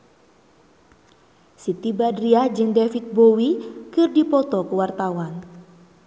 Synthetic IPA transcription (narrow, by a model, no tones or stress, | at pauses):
sit̪ibadɾiahd͡ʒɨŋdɛfit̪̚bowikɨrdipɔt̪ɔkuwart̪awan